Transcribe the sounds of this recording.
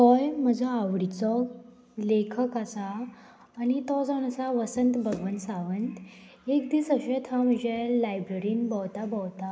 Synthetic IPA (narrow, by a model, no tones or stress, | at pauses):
t̪ɔjm̤əd͡zʱaaʋɽit͡sɔ | lekʰəkasaː | nit̪ɔd͡zanasaʋəsənt̪bʱəɡʋənt̪sãʋənt̪ | ekd̪iːsəɕẽt̪ʰãm̤əd͡ʑelajbɾeɾiːnbəwt̪abəwt̪a